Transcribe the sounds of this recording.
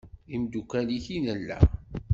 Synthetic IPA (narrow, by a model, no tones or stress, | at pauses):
imd̪ukːæliçinælːæ̰